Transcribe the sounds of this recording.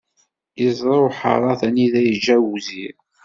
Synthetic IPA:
izˤɾˤoħɑ̰ɾˤɑθæniðæjəd͡ʒæwuzi

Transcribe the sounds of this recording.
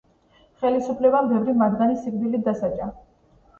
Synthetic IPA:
χɛlisupʰlɛbambɛvɾimad̪ɡanisiɡb̪ilid̪asat͡ʃʼa

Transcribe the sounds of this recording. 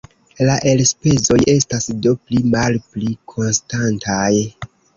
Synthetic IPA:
laʔe̞lspe̞zo̞je̞stasdo̞plimalplikʰo̞nstantʰaj

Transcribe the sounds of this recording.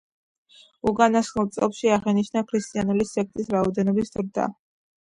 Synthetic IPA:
ukʼanasχnulˠt̪sʼɔ̰pʃiaʁɛniʃnakʰɾist̪ʼianulisɛk̚ʰt̪ʼisɾaɔd̪ɛnɔbisd̪ɾd̪a̰

